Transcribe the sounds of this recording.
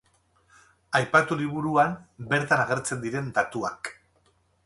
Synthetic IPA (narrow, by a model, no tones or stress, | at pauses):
ajpat̪uliβ̞uɾuambe̞ɾt̪anaɣ̞e̞ɾt͡se̞nd̪iɾe̞nd̪at̪uak